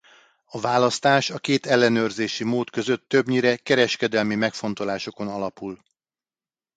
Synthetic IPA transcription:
ɒvaːlɒst̪aːʃɒkeːt̪ɛlːɛnøːrzeːʃimoːt̪kø̞zøt̪ːøbɲiɾɛkɛɾɛʃkɛd̪ɛlmimɛkfo̞nt̪o̞laːʃo̞ko̞nɒlɒpul

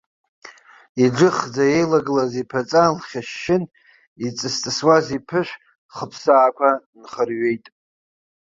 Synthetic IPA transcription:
iɖ͡ʐɨχd͡zaje̞jlaɡɨlazipʰat͡sʼalχʲaʃːɪn | it͡sʼɨst͡sʼɨswazipʰɨʃʷᶣ | χəpʰsaːkʷʰa | nχərɥe̞jtʼ

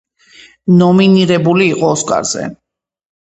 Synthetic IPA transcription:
nɔminiɾɛbuliːqʼɔːskʼa̰ɾz̥ɛ̰

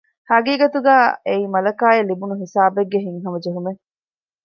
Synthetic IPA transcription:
hɐɡiːɡɐt̪uɡæːeimɐlɐkaːjelibunuɦisaːbeɡːeɦiŋɦɐmɐd͡ʒeɦume

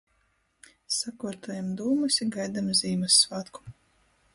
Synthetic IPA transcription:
sakuɔɾt̪ɔːjamd̪uːmɨsʲiɡajd̪amzʲiːmɨsːvaːt̪ku̥

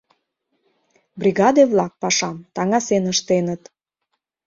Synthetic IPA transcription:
brʲiɣɑd̪eβlɑk̚pɑʃɑmt̪ɑŋɑsenəʃt̪enət̪

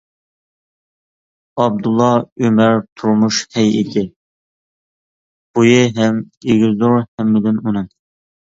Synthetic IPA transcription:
ɑb̚d̪ulˠːɑømæɾt̪ʰuɾmuʃhɛjɪd̪ɪ | b̥ujɪɦɛm | eɡʲizuɾhɛmːɪd̪ɪnunɨŋ

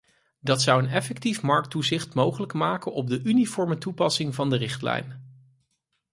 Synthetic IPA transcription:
dɑtsʌwənɛfɛktifmɑɹk̚tuzɪχtmowχələkmaːkənɔb̚dəʔynifɔɹmətupɑsɪŋvɑndərɪχtlɛ̰jn

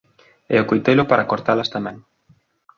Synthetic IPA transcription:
ɛ̰okojt̪ejlʊpaɾakoɾt̪alast̪amɛ̃ŋ

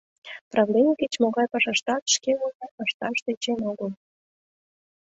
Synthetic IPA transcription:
prɑvlʲenʲiket͡ɕmoɣɑjpɑʃɑʃt̪ɑt̪ʃkeulʲeʔəʃt̪ɑʃt̪et͡ɕenoɣəlˠ

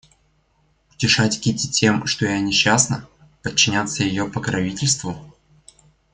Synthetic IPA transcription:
ʊ̥tʲɪʂatʲkʲitʲɪtʲe̞mʂt̪ojanʲɪɕːasnə | pət͡ɕːɪnʲat̪səjɪjopəkɾɐvʲitʲɪlʲst̪vʊ

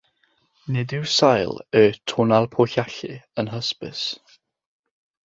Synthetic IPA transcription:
nɪdɪwsajləːtʰʊːnalˠpʰoɬaɬɪ̰ənɦəspɪ̰s

